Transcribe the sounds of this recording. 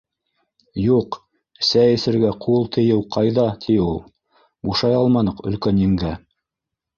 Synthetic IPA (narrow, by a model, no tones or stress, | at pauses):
juq | sæjɘ̆sɘ̆ɾɡæqʰulˠt̪ʰɘ̆jɘwqʰɑjðɑt̪ʰiulˠ | buʃɑjɑlˠmɑnɤqɵ̆lkænɘ̆ŋɡ̪æ